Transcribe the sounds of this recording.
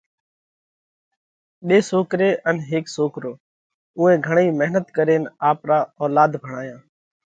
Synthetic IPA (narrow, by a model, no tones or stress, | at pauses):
ɓeːsoːkɾeːʔənɦeːksoːkɾoː | ʊ̃ːẽːɡʱəɳ̃iːməɦnət̪kəɾeːnaːpɾaːɔːlaːd̪bʱəɽ̃aːjãː